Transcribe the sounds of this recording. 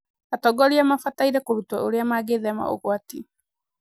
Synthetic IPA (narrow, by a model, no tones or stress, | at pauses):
atɔɡɔɾiamafataiɾɛkoɾutwaʔoɾeamaɡeðɛma̰ʔo̰ɣwati